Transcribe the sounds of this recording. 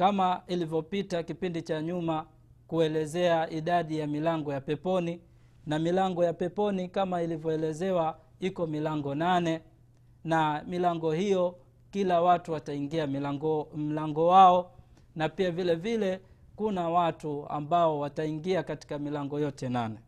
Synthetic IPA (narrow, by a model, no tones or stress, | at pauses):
kamailivjɔpitakipindit͡ʃaɲuma | kuɛlɛzɛaʔiɗaɗijamilaŋɡɔjapɛpɔni | namilaŋɡɔjapɛpɔnikamailivjɔɛlɛzɛwa | ikɔmilaŋɡɔnanɛ | namilaŋɡɔhijɔ | kilawatuwataiŋɡia | m̩laŋɡɔwaɔ | napiavilɛvilɛ | kunawatua̰mbaɔwataiŋɡiakati̥kamilaŋɡɔjɔtɛnanɛ